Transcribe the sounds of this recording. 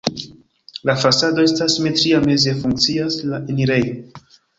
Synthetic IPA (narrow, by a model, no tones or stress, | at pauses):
lafasado̞e̞stasime̞tɾiame̞ze̞fuŋk̚t͡siaslaʔeniɾejo